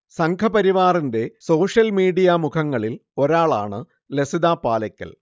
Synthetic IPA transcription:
sɐŋkʰɐpɐɾiʋaːrinde̞so̞ːʂjɐlmiːɽijamukʰɐŋːɐɭilo̞ɾaːɭa̰ːɳɨ | lesiðaːpaːlɐkʲːɐ̰l

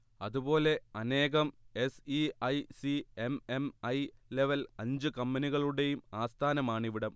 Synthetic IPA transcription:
ɐðubo̞ːle̞ɐne̞ːɣɐme̞siɐjsiememɐjle̞ʋɐlɐɲd͡ʑɨkɐmːɐniɣɐɭuɽe̞jumaːst̪ʰaːnɐmaːɳiʋiɽɐm

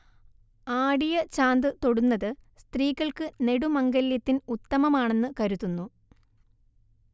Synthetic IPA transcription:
aːɽijɐt͡ɕaːnd̪ɨt̪o̞ɽunːɐðɨst̪riːɣɐɭkɨne̞ɽumɐŋɡɐljɐt̪ːinut̪ːɐmɐmaːɳe̞nːɨkɐɾuðunːu

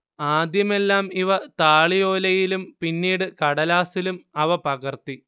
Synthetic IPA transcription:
aːd̪jɐme̞lːaːmiʋɐt̪aːɭijo̞ːlɐjilumpinːiːɽɨkɐɽɐlaːsilumɐʋɐpɐɣɐrt̪i

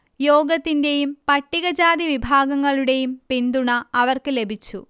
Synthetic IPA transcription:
jo̞ːɡɐt̪ːinde̞jumpɐʈːiɣɐd͡ʑaːd̪iʋibʱaːɡɐŋːɐɭuɽe̞jumpind̪uɳɐɐʋɐrkɨle̞bʱit͡ɕːṵ

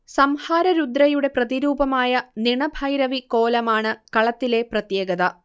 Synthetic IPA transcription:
sɐmhaːɾɐɾud̪ɾɐjuɽe̞prɐðiɾuːbɐmaːjɐniɳɐbʱɐjɾɐʋikoːlɐmaːɳɨkɐɭɐt̪ːile̞ːprɐt̪jeːɡɐd̪ɐ

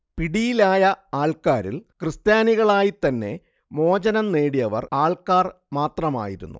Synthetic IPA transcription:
piɽijilaːjɐaːɭkaːɾḭlkrɨst̪jaːniɣɐɭaːjit̪ɐnːe̞̰ | mo̞ːd͡ʑɐnɐnneːɽijɐʋɐ̰raːɭkaːr | maːt̪rɐma̰ːjiɾṵnːṵ

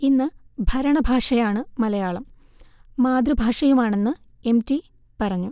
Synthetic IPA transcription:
inːɨbʱɐɾɐɳɐbʱaːʂɐjaːɳɨmɐlɐjaːɭɐm | maːd̪rubʱaːʂɐjumaːɳe̞nːɨ | e̞mti | pɐrɐɲːu

